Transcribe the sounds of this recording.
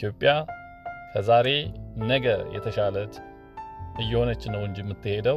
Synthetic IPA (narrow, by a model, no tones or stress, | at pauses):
jo̞pʼːja | fʰəzaɾe̞nəɡəjɛ̰t̪ʰəʃalət̪ʰ | ʔɨjːɛho̞nət͡ʃːɪnːəwɨɲd͡ʒjmːɨt̪ːɨhe̞d̪ə